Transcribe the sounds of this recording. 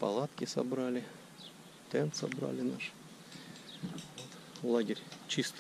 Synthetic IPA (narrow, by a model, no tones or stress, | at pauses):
pɐ̰lˠat̪kʲɪsɐ̰bɾalʲɪ | t̪ɛnt̪sɐbɾa̰lʲɪnaʂ | ot̪ | lˠaɡʲɪrʲt͡ɕist̪